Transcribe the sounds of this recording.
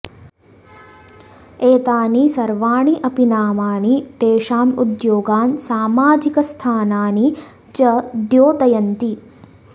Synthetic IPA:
eːt̪aːnisɐɾʋaːɳiʔɐpinaːmaːnit̪eːʂaːmud̪joːɡaːnsaːmaːd͡ʒikɐst̪ʰaːnaːni | t͡ʃɐd̪joːt̪ɐjɐnt̪i

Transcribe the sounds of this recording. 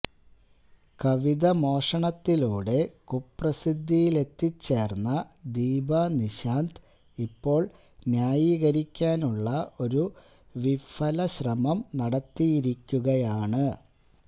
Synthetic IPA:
kɐʋiðɐmo̞ːʂɐɳɐt̪ːiluːɽe̞kuprɐsid̪ʱːijile̞t̪ːit͡ɕːe̞ːrnːɐd̪iːbɐniɕaːnd̪ | ipːo̞ːɭ | njaːjiːɣɐɾikʲːaːnuɭːɐʔo̞ɾu | ʋifɐlɐɕrɐmɐmnɐɽɐt̪ːijiɾikʲːuɣɐjaːɳɨ

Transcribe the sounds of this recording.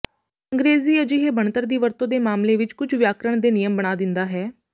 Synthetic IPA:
əŋɡɾeːziːəd͡ʒiɦeːbəɳt̪əɾd̪iːʋəɾt̪õːd̪eːmaːmleːʋɪt͡ʃkʊt͡ʃʰʋjaːkɾəɳ̃d̪eːnɪjəmbəɽ̃aːd̪ɪnd̪aːɦɛː

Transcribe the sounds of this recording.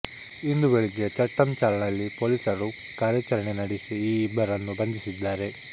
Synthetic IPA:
ind̪ubeɭiɡet͡ʃɐʈːɐmt͡ʃaːlɐnɐlːipoːlisɐɾu | kaːɾjɐt͡ʃɐɾɐɳenɐɽisiiːbɐɾɐnːubɐnd̪isid̪ːaːɾe̞

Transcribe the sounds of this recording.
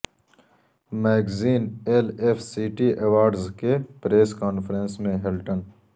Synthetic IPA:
meːɡziːneːleːfsiːʈiʔewaːɾɖzkepɾeːskaːnfɾẽnsmẽɦelʈən

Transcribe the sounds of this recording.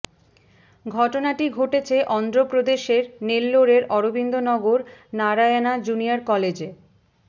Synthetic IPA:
ɡʱɔʈonaʈiɡʱoʈet͡ɕʰeʔɔnd̪ɾopɾod̪eʃeɾnelːoɾeɾɔɾobind̪ʱonɔɡoɾnaɾaanad͡ʑuniaɾkɔled͡ʑe

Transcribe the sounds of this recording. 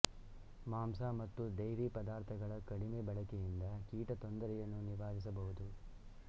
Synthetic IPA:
maːmsaːmɐt̪ːud̪ɐjɾipɐd̪aːɾt̪ʰɐɡɐɭɐkɐɽimeːbɐɭɐkejind̪ɐkiːʈɐt̪ond̪ɐɾɛjɐnːuniʋaːd̪is̬ɐbɐɦud̪u

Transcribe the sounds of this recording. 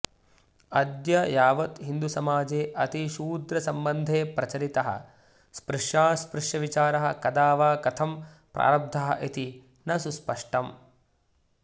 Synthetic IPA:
ɐd̪jɐjaːʋɐt̪ɦind̪usɐmaːd͡ʒeːʔɐt̪iʃuːd̪ɾɐsɐmbɐnd̪ʱeːpɾɐt͡ʃɐɾit̪ɐɦɐ̰ | spɾɪʂjaːspɾɪʂjɐʋit͡ʃaːɾɐɦɐkɐd̪aːʋaːkɐt̪ʰɐm | pɾʔa̰ːɾɐb̚d̪ʱɐɦɐ̰ʔit̪i | nɐsuspɐʂʈɐm

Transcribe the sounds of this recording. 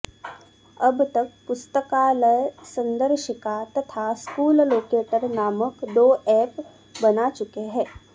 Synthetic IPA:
ɐbt̪ɐk̚pʊst̪əkaːləjsɐ̃nd̪əɾʃəkat̪ɐt̪ʰaskuːlloːkeːʈəɾnaːməkd̪oːɛːp | bɐnat͡ʃʊkeɦɛ̃ː

